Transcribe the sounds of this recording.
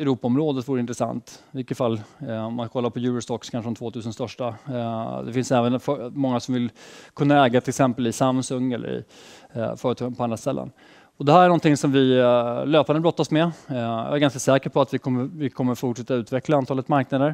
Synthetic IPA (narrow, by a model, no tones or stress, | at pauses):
ɛɾuːpaɔmɾoːd̪ət̪vuːɾəɪnt̪ɾəsa̰nt̪vɪkːət̪falːɔmːanskakʰɔlːaɾpʰɔjʉ̟ːɾɔst̪ɔkskʰanʂəɛnt̪ʰvoːt̪ʰʉ̟ːsənst̪œʂʈa | d̪ɛfɪnsɛːvənfœmɔŋːasɔmvɪlkʰɵnːaɛːɡat̪ʰɪlɛksɛmpəlɪsamsɵŋːɛ̰lːə̰ɾɪ̰ | fœːɾət̪ʰɑːɡənpʰɔand̪ɾast̪ɛlːə̰n | ɔd̪ɛɦæɾæɳɔnt̪ɪŋsɔmvɪløːpanəbɾɔt̪ːasmɛjɑ̰ːæɾɡanskasɛːkəɾpʰɔat̪vɪkʰɔmːəvɪkʰɔmːəɾfʊʈʂɛt̪ːaʉ̟ːt̪vɛklaant̪ʰɑːlət̪maɾknad̪əɾ